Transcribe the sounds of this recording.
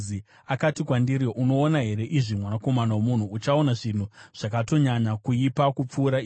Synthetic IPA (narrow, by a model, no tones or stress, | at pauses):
i | akatikwandiɾiʔuno̞ːnaɦe̞ɾe̞ʔiʐimwanako̞manawomun̤uːt͡ʃaonaʐin̤uʐ̥akato̞ɲaɲakuipakup͡fuːɾai